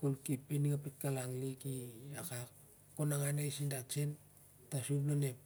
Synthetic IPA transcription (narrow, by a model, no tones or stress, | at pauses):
kolkipːeniŋapet̚kalaŋlikiakak | konaŋanejsindat͡ʃen | tasublonep